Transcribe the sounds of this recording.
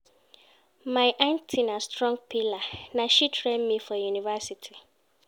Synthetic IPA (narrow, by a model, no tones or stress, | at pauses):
maɪʔãntʰinastɹɔ̃ŋɡ̚pʰilanaʃitʰɾɛmmifɔjunivɛsitʰi